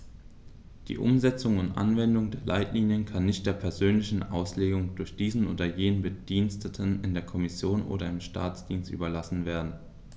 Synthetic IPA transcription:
d̥ḭːʔʊ̰mzɛt͡sʊŋʊntʔa̰nvɛndʊŋdeːɐlaɪtʰliːnjənkʰanːɪçt̚d̥eːɐpʰɛɐzøːnlɪçn̩ʔa̰ʊsleːɡʊŋdʊɐçd̥iːzn̩ʔoːdɐjeːnənbəd̥iːnstʰətʰənɪndeːɐkʰɔmɪsjoːnʔo̰ːɾɐɪmʃtʰa̰ːt͡sd̥iːnstʔy̰ːbɐlasn̩veːɐdn̩

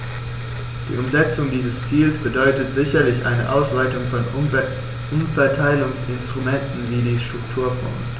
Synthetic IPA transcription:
d̥ḭːʔʊmzɛt͡sʊŋdiːzəst͡siːlsb̥ədɔʏtətz̥ɪçɐlɪçʔa̰ɪnəʔaʊsv̥aɪtʊŋfɔn | ʔʊmfɛɐtʰaɪlʊŋsɪnstʁ̥umɛntn̩viːdiːʃtʁ̥ʊktʰuːɐfɔ̰ŋs

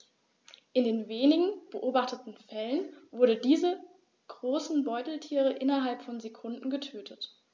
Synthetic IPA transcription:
ʔɪndeːnveːnɪɡŋ̩b̥əʔoːbaχtətn̩fɛlənvʊɐdədiːzə | ɡ̥ʁoːsn̩bɔʏtl̩tʰiːʁ̞əʔɪnɐɦalpfɔnzekʰʊndn̩ɡətʰøːtʰət

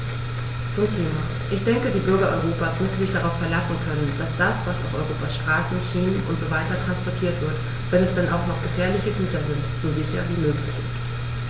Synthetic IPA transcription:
t͡sʊmtʰeːma | ʔɪçd̥ɛŋkədiːbʏɐɡɐʔɔʏʁ̞oːpaːsmʏsn̩zɪçd̥aʁaʊfɛɐlasn̩kʰœnənd̥asd̥asv̥asa̰ʊfʔɔʏʁ̞oːpasʃtʁ̥aːsn̩ʃiːnnʔʊ̰ntz̥oːvaɪtɐtʁ̥anspɔɐtʰiːɐtv̥ɪɐt | v̥ɛnɛsd̥ɛnʔaʊxnɔχɡ̥əfɛːɐlɪçəɡyːtɐzɪntz̥oːzɪçɐ̰viːmøːklɪçɪ̰st

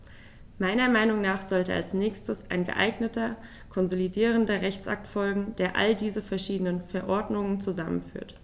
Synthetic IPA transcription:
maɪnɐmaɪnʊŋnaːχz̥ɔltə̰a̰lsnɛːçstəsʔa̰ɪnɡə̰ʔa̰ɪɡnətɐ | kʰɔnzolidiːʁ̞əndɐʁɛçt͡sʔa̰k̚tfɔlɡŋ̩d̥eːɐʔa̰ldiːzəfɛɐʃiːdənənfɛɐʔɔɐdnʊŋənt͡suzamə̰nfy̰ːɐt

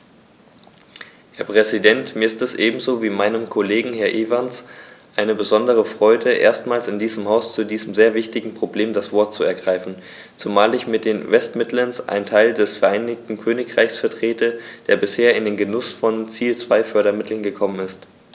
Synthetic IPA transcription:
hɛɐpʁ̥ɛzidɛntmiːɐɪstɛsʔeːbm̩zoːviːmaɪnəmkʰoleːɡŋ̩ɦɛɐʔeːvansʔaɪnəbəzɔndəʁ̞əfʁ̥ɔʏdəʔḛːɐstmaːlsɪndiːzəmhaʊst͡sudiːzəm̩zeːɐvɪçtɪɡŋ̩pʁ̥obleːmdasv̥ɔɐt̚t͡suɛɐɡʁaɪfn̩ | t͡sumaːlɪçmɪt̚d̥eːnvɛstmɪtlɐnsʔa̰ɪntʰaɪldɛsfɛɐʔaɪnɪktn̩kʰøːnɪkʁ̥aɪçsfɛɐtʁ̥eːtəd̥eːɐbɪsheːɐɪndeːnɡənʊsfɔnt͡siːlt͡sv̥aɪfœɐɾɐmɪtʰl̩nɡəkʰɔmənɪst

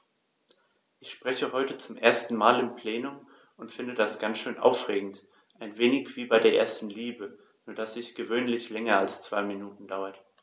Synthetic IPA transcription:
ʔɪçʃpʁ̥ɛçəɦɔʏtət͡sʊmʔeːɐstn̩maːlɪmpʰl̥eːnʊm | ʊntfɪndədasɡ̥ansʃøːnʔa̰ʊfʁ̥eːɡŋ̩t | ʔaɪnveːnɪçv̥iːbaɪdeːɐʔḛːɐstn̩liːbə | nuːɐdasɪçɡ̥əvøːnlɪçlɛŋɐalst͡sv̥aɪminuːtn̩daʊɐt

